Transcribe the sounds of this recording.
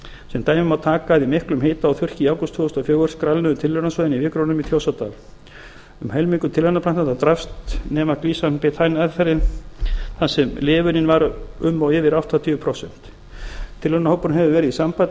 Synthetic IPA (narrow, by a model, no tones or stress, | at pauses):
sɛmt̪aːjmɪmawt̪ʰaːkaðimɪhklʏmɦeːjt̪aːwθjʏr̥cɪaːwkʏst̪ʰːvʏːɔst̪afjœːɣœɾ̥skɾalnʏðʏt̪ʰɪlvœɾnasœːðɪnivɪkɾownʏmit̪ʰjoːwsat̪a̰ːl | ʏmhɛlmiŋkʏt̪ʰɪlvœnapʰɾanant̪at̪ɾafst̪nɛːmakliːsanpɪt̪ʰajnɛðfɛɾɪn | θasɛmlɪːvʏnɪnvaɾʏmːawɪːvɪɾawht̪ʰat̪ʰʏvʏpʰɾowsɛn̥t̪ | t̪ʰːɪlvœnahowpʏɾnɦɛvɪvɛːɾɪðisampaj